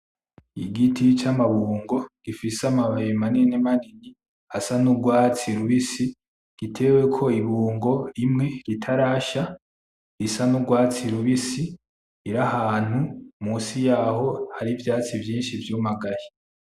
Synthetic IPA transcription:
iɡitʰit͡ʃamaβuːŋɡo̞ɡ̥ifisamaβajimaninemanini | asanuɡwaːt͡siɾuβisi | ɡ̥itʰe̞we̞kʰo̞iβuːŋɡo̞imŋe̞ɡitʰaɾaːʃa | isanuɡwaːt͡siɾuβisi | iɾahaːn̥humuːsijaːho̞haɾivjaːt͡sivjiːnʃivjumaɡahi

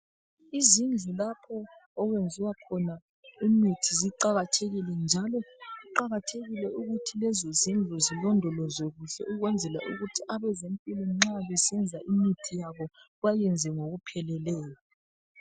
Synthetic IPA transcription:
izind͡ɮʱulapʰɔːɣwend͡zʱiwakʰɔna | imitʰiziǃaɣatʰeɣilɛnd͡ʒʱalɔiǃaɣatʰeɣilɛuɣutʰilɛzozind͡ɮʱuzilɔndʱɔlɔzoɣuɬɛ̰ʔuɣwɛnd͡zʱɛla̰ʔuɣutʰiʔaβɛzempʼilɔŋ͡ǁaβɛsɛnd͡zʱaʔimitʰijaβɔ | βajɛnd͡zʱɛŋoɣupʰɛlɛlɛːjɔ

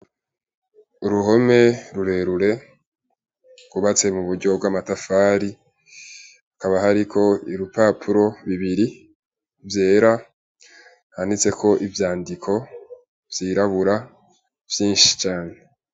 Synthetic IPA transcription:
uɾuɦo̞me̞ɾuɾe̞ɾuɾe̞ | ɡ̥uβat͡se̞muβuɾɟo̞b̚ɡwamatafaːɾi | akaβaɦaɾikʰo̞iɾupaːpʰuɾo̞βiβiɾi | vje̞ːɾa | hanit͡se̞kʰo̞ʔivjaːndikʰo̞ | vjiːɾaβuɾa | v̥jiːnʃi̥t͡ʃaːn̞e̞

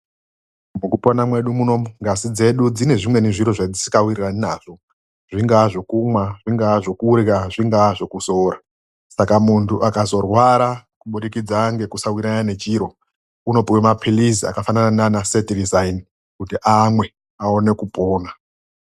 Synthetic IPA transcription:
mukupo̞namwe̞ɗumuno̞muŋɡasid͡ze̞ɗud͡zine̞ʐimwe̞neʐiɾo̞ʐad͡zisi̥kawiriraninaːʐ̥o̞ | ʐ̥iŋɡaʐo̞kumwaʐiŋɡaʐo̞kuɾikaʐiŋɡaʐo̞kuso̞ːɾa | sakamuntʰuʔakazo̞rwaɾakuɓuɗikid͡zaŋɡe̞kusawiɾanane̞t͡ʃiːɾo̞ | uno̞piwemapʰilisia̰kafananananasetirizaini | kutiʔamwe̞ | ao̞ne̞kupo̞ːna

